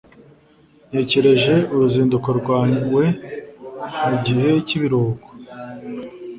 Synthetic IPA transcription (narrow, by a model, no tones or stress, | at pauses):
ne̞ːce̞ɾe̞ʒe̞uɾuziːndukoɾɡwaːɲuwe̞ | muɟihe̞ciβiɾoːɡo̥